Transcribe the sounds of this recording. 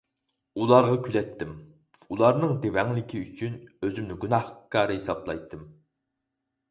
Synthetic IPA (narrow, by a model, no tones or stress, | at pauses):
ulˠɑɾʁɑkʲʰylɛt̪ʰːɪm | ulˠɑɾnɨŋd̪ewɛŋlɪkʲʰiyt͡ʃʰynøzymnɪɡunɑhkɑːɾɨɦesɑblˠɑ̰jt̪ʰːɨm